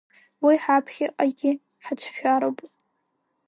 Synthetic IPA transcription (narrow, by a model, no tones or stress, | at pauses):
wiħapʰχʲɪʔʼaɡʲɪ | ħat͡ʃʷʰʃᶣaɾopʼ